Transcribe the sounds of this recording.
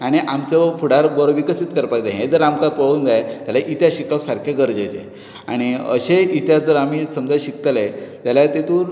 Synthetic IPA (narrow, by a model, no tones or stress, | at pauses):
aɽ̃iʔamt͡ɕapuɽaɾbəɾoʋikəsit̪kəɾpajd̪eɦẽd͡zəɾamkaɾpəɭuːnd͡zajat̪jalaʔit̪jaɕikapsaɾkʰjaɡəɾd͡ʑet͡ɕḛ | a̰ɽ̃iə̰ɕeit̪jad͡zəɾam̤isəmd͡zaɕik̚t̪əlet̪jalat̪et̪uːɾ